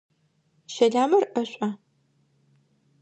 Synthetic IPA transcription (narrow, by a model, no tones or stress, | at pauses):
ʃɐɮaːmɐrʔɐɕʷʼaː